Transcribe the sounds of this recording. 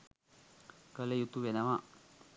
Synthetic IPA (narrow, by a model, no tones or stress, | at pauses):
kəlejut̪ːuʋenaʋã